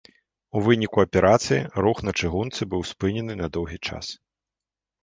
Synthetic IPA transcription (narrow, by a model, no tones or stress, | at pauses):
uvɨnʲikuɐpʲɛɾʔat̪sɨjiɾuxnɐt͡ʂɨɣunt̪sɨbɨwspɨnʲɛnɨnɐd̪ɔwɣʲit͡ʂa̰s